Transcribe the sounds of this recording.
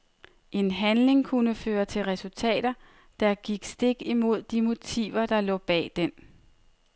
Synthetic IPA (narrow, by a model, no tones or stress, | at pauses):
ʔe̝nɦænle̝ŋkʰunəføːɐt͡sʰe̝lʁɛsult͡sʰɛ̰ːd̥ɐ | d̥ɑ̈ɡ̥iɡ̥sd̥e̝ɡ̥imo̝ð̞̰ˠd̥imo̝t͡sʰḭːʋɐd̥ɑ̈lɔ̰̽ːb̥ɛ̰ːd̥en